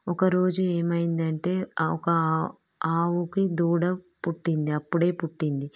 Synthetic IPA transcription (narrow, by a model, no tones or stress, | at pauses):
ɔkɐɾo̞ːd͡ʒue̞ːmɐjind̪ɐɳʈe̞ːɔkɐ | aːwukid̪uːɽɐ | puʈːind̪iɐpːuɽe̞ːpuʈːind̪i